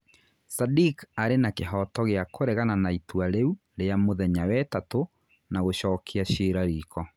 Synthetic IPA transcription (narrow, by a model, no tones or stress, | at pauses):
sadikaɾenakeɦɔtɔɣeakoɾɛɣananaitwaɾeu | ɾeamoðɛɲawɛtato | naɣoɕɔːkʰeaɕeːɾaɾiːkʰɔ